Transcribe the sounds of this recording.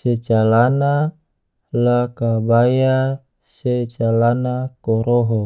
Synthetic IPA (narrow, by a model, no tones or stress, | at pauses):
set͡ʃalana | lakabaja | set͡ʃalanakoɾoɦɔ